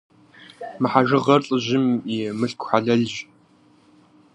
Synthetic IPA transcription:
mɨħaʒɨʁɐrɬʼɨʑɪmimɨɬkʷʰħaɮɐɮʒ

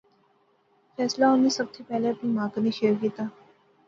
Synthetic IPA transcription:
fɛːslaʊnːesɐbsepɛːleɐpnimãːkniʃeukiːt̪aː

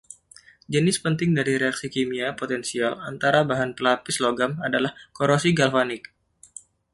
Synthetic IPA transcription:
d͡ʒənɪspənt̪ɪŋdaɾiɾeaksikimiapot̪ɛnsialant̪aɾabaɦanpəlapɪsloɡamadalahkoɾosiɡalfanɪk̚

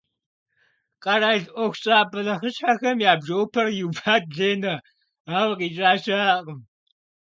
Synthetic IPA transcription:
qʼɐɾaːjɮʔʷɔxʷɕʼaːbɐlɐχəʃħaxɐmjaːbʒowpʰɐrjupʰaːt̚ɮeːnɐ | aːwqiːt͡ʃʼaːʃaːqəm

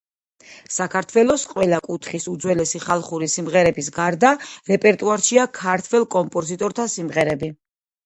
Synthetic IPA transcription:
sakʰaɾt̪ʰwɛlˠɔsqʼwɛlˠakʼut̪ʰχisud̪zwɛlɛsiχalˠχuɾisimʁɛɾɛbisɡaɾd̪aɾɛpʼɛɾt̪ʼuaɾʃiakʰaɾt̪ʰwɛlˠkʼɔmpʼɔzit̪ʼɔɾt̪ʰasimʁɛɾɛbi

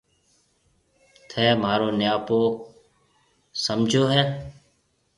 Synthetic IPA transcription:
t̪ʰɛːmaːɾoːnjaːpoː | səmd͡ʒʱoːɦɛː

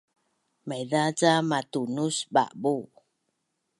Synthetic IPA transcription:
majðat͡samatunusba̰ʔbu

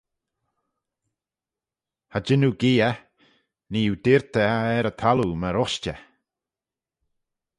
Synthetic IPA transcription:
had͡ʒɪnuɡiːə | niːud̪ɪɾt̪əaɛɾət̪ʰaluməɾɔʃt͡ʃə

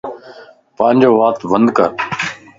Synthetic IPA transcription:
pãːnʲd͡ʒoːʋaːt̪bənd̪kə̰ɾ

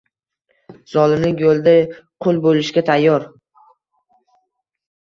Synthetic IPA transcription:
z̥ɒlɪmnɪjolˠd̪aqʰʊlˠbolɪʃɡʲat̪ʰajːɒɾ

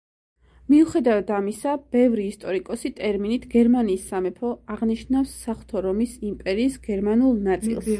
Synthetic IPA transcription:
miuχɛd̪avad̪amisab̥ɛvɾiːst̪ʼɔɾikʼɔsit̪ʼɛɾminit̪ʰɡɛɾmaniːsːamɛpʰɔaʁniʃnafsːaχt̪ʰɔɾɔmisimpʼɛɾiːsɡ̥ɛɾmanulˠnat̪sʼḭlˠs

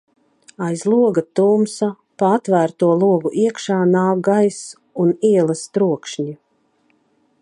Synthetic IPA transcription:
ajzlˠuɔɡat̪uːmsa | paat̪væːɾt̪uɔlˠuɔɡuʔiɛkʃaːnaːk̚ɡajs | uniɛlˠast̪ɾuɔkʃɲi

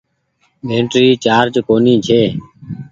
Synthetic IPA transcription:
bʱeːɳʈɾiːt͡ʃaːɾd͡ʒkoːnĩːt͡ʃʰeː

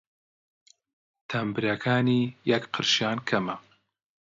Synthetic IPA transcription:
t̪ʰɐmbɨɾɐkʰaːniːjɐkqʰɨɾʃjaːnkʰɐmɐ

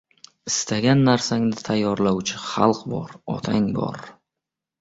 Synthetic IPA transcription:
ɪst̪ʰaɡʲanːaɾsaŋd̪ɪt̪ʰajːɒɾlawt͡ʃʰɪχɑlˠqbɒ̰ɾɒ̰t̪ʰaŋbɒ̰ɾ

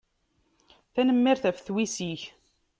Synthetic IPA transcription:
θænəmːiɾθæfθwisiç

